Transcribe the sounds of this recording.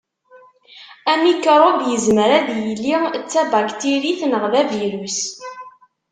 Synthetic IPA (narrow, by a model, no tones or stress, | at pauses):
æmikːəɾˤoɡjəzməɾæðjəlːit͡sːæbaɡt̪iɾiθnəʁðævjɾus